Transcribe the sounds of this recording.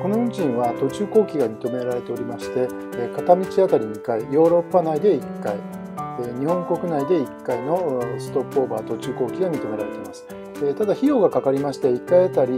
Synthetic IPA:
ko̞noɯɲd͡ʑĩɰ̃βat̪o̞t͡ɕɨːko̞ːkʲiɡamʲit̪o̞me̞ɾaɾe̞t̪e̞o̞ɾʲimaɕi̥t̪e̞ | kat̪amʲit͡ɕiak̪aɾʲiɲʲikaijo̞ːɾo̞pːanaid̪e̞ikːai | eɲ̟ihõ̞ŋko̞kɯ̟naid̪e̞ikːaino̞sɨ̥t̪o̞pːo̞ːbaːt̪o̞t͡ɕɨːko̞ːkʲiɡamʲit̪o̞me̞ɾaɾe̞t̪e̞imasɨ̥ | et̪ad̪açijo̞ːɡakakaɾʲimaɕi̥t̪e̞ikːaiet̪aɾʲi

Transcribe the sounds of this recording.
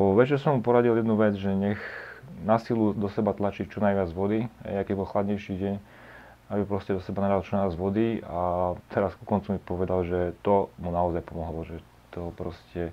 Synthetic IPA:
ʋɛt͡ʃɛɾsɔmːupɔɾaɟiljɛd̪nuʋɛd͡zʒɛɲɛxnasilud̪ɔsɛbat̪lat͡ʃict͡ʃɔnajʋɪad͡zʋɔd̪iɦɛ̰jakɛbɔlxlad̪ɲɛjʃiɟɛɲ | abipɾɔscɛd̪ɔsɛbanad̪alt͡ʃɔnajad͡zʋɔd̪iat̪ʰɛɾaskukɔnt͡sumipɔʋɛd̪alʒɛt̪ɔmunaɔzajpɔmɔɦlɔʒɛ | t̪ɔpɾɔscɛ

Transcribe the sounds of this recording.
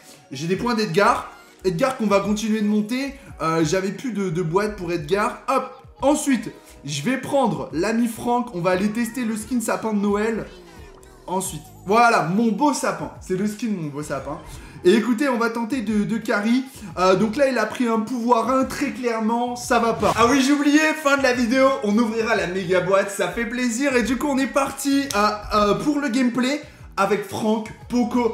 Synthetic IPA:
ʒed̪epwɛ̃d̪ɛt̪̚ɡʲaʁ | ɛt̪̚ɡaʁkɔ̃vakɔ̃t̪̬inɥed̪əmɔ̃t̪eøʒavɛplyd̪əd̪əbwat̪̚puʁɛt̪̚ɡʲaʁɔp | ɑ̃sɥit̪ | ʒəvɛpχɑ̃d̪ʁlamifχɑ̃kɔ̃vaːlet̪ɛst̪eləskʲid̪sapɛ̃d̪ənɔɛl | ɑ̃sɥit̪ | vwalamɔ̃bosapɛ̃sɛləskʲid̪əmɔ̃bosapɛ̃eːkut̪eɔ̃vat̪ɑ̃t̪ed̪əd̪əkʲaʁi | əd̪ɔ̃klailapχiɛ̃puvwaʁɛ̃t̪χɛklɛʁmɑ̃savapaawiʒeublijefɛ̃d̪əlavid̪eoʔɔ̃nuvʁiʁalameɡabwat̪safɛpleziʁed̪ykuɔ̃nɛpaʁt̪iøpuʁləɡʲɛmple | avɛkfχɑ̃kpoko

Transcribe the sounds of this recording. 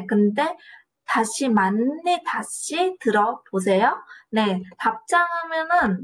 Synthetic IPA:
kɯnde̞ | taɕʰimanːitaɕʰitɯɾʌbos̬ʰe̞jone̞tap̚t͡ɕ͈aŋɦamjʌnɯn

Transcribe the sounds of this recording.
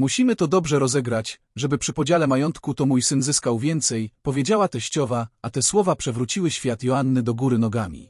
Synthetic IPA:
muɕimɘt̪ɔd̪ɔbʐɛɾɔzɛɡɾat͡ɕ | ʐɛbɘpʂɘpɔd͡ʑalɛmajɔnt̪kut̪ɔmujsɘnzɘskawvʲjɛnt̪sɛjpɔvʲjed͡ʑawat̪ɛɕt͡ɕɔvaat̪ɛswɔvapʂɛvɾut͡ɕiwɘɕfʲjat̪jɔanːɘd̪ɔɡuɾɘnɔɡamʲḭ

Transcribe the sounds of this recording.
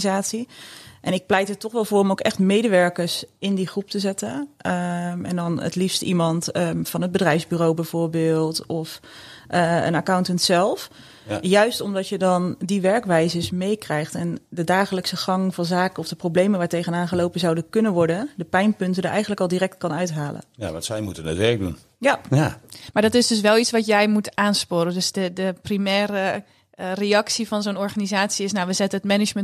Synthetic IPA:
zaːtsiʔɛnɪk̚plɛjtəɹtɔχʋɛlˠvʊːrɔmowkɛχtmejdəʋɛɹkəɹsɪndiχrup̚təzɛtə | ɛ̰ndɑnə̰tlifstḭmɑntfɑnɦəd̚bədrɛjfzbyːrowbɛv̥oːɹbɪːlˠtɔf | ə̰nakawntəntsɛlˠf | jœɥstɔmdɑtjədɑndiʋɛɹkʋɛjzəsmejkrɛjχtɛndədaːχələksəχɑŋvɑnzaːkənɔfdəprowblejmənʋaːɹtejχənaːnχəlowpənzɑwdəkɵnənʋɔɹdəndəpɛjnpɵntəndəʔɛ̰jχəntləkɑlˠdirɛk̚tkɑnœɥtɦaːlə̰nja̰ʋtsɛjmutənə̰tʋɛɹɡ̚dṵn | ja | maːɹdɑtɪsdɵs̬ʋɛlˠitsʋɑtjɛjmutaːnspoːɾəndɵsdədəprimɛːɾə | reɑksivɑnzonɔɹχanizaːtsiɪsnawʋəzɛtənətmɛnɪmən

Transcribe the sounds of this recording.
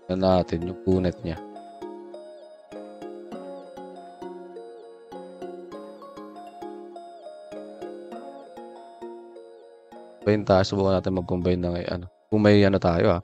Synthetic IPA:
anaːt̪ɪnjʊŋʔuːnɛt̪̚ɲa | bajɪnt̪aːjosʊbuːkanaːt̪ɪnmɐɡʊmbajnːɐŋa̰jʔɐ̰nokʊŋmɐjɐnot̪aːjoʔa

